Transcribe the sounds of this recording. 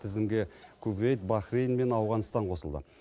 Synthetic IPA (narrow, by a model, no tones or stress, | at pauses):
t̪ʰɪzɪmɡʲekʲʰɵbɾejt̪̚bɑχɾejnme̞nɑwʁɑnst̪ɑɴqʰo̞səlˠd̪ə̰